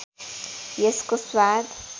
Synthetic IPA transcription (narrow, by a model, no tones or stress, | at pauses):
jeskoswaːd̪